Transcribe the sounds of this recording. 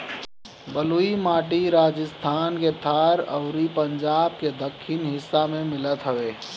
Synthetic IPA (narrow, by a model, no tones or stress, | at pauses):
bəluimaːʈiɾaːd͡ʒəst̪ʰaːnket̪ʰaːɾɐ̰ʊɾipə̃ɲd͡ʒaːb̚ked̪əkʰːɪnɦɪsːamẽmɪlət̪ɦəʋeː